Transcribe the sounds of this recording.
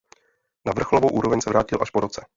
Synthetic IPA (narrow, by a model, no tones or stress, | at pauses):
navr̩xlovowʔuːɾovɛɲsɛvɾaːcɪlʔaʃpoɾo̞t͡sɛ